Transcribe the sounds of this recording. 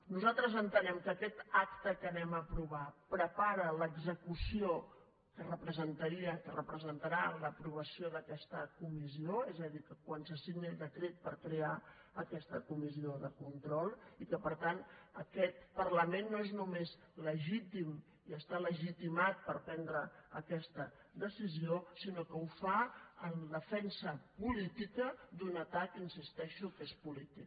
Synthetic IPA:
nuzalˠt̪ɾəzənt̪ənɛmkəːkɛt̪akt̪əkənɛməpɾuβapɾəpaɾələɡzəkusio | kərəpɾəzənt̪əɾiəkərəpɾəzənt̪əɾaləpɾuβ̞əsioðəkɛst̪əkumizioezəðikəkwansəsiɣnəlˠd̪əkɾet̪̚pəɾkɾea | əkɛst̪əkumizioðəkunt̪ɾɔlˠikəpəɾt̪anəkɛt̪̚pərləmenːoeznumez | ləʒit̪im | iəst̪aləʒit̪imat̪̚pəɾpɛnd̪ɾəəkɛst̪ə | d̪əsiziosinokəufaəndəfɛnsəpulit̪ikəd̪unət̪akinsist̪ɛʃukespulit̪ik

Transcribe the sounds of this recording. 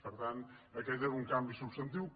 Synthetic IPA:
pəɾt̪ãnɐket̪ɛɾuŋkãmbisuβst̪ɐ̃nt̪̬iw

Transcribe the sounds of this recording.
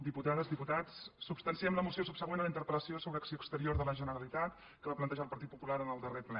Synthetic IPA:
d̪iput̪aðəzðiput̪at͡sːubst̪ənsiɛmləmusiosubsəɣwenələint̪əɾpələsiosoβɾəːksiokst̪əɾioɾðələʒənəɾəlit̪at̪ | kəβaplənt̪əʒalˠpəɾt̪it̪̚pupulaɾənəlˠd̪əreplɛ

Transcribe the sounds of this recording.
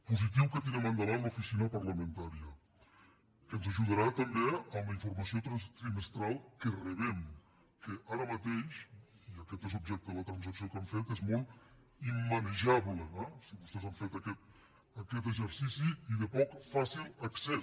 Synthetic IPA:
puzit̪̬iwkət̪inemənd̪alanlufisinəpəɾləmẽnt̪aɾiə | kənzəʒuð̞əɾat̪əmbeələiɱfuɾmasiot̪ɾast̪ɾiməst̪ɾalˠkərəβɛm | kəʔaɾəmat̪ejʃ | iakɛt̪ezubʒɛk̚t̪əðələt̪ɾans̬əksiokamfet̪ezmɔlˠt̪ | imːaneʒaβləɛsiβust̪ɛzaɱfet̪akɛt̪ | əkɛt̪əzəɾsisiiðəpɔkfasilˠəksɛ

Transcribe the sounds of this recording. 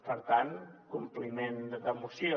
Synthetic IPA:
pəɾt̪ankumplimendd̪əmusjo

